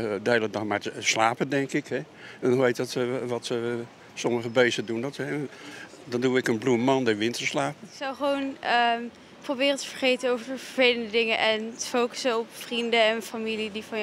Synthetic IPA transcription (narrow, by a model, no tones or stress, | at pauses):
dəeːlədɔxmaslaːpədɛŋkɪkhɛ | ɛndɔnʋejtdɔtʋɔtə | sɔməχəbeːsədundɔtɛ | dɔnduɪkənblumɑndɛʋɪntəslaːpəɪksɑwχəʋownə | probɪːrəntə̥fəɹχejtənowvəɹəfəfejləndədɪŋəʔɛntə̥fowkə̥sənɔpfrindəɛnfamilidifɑn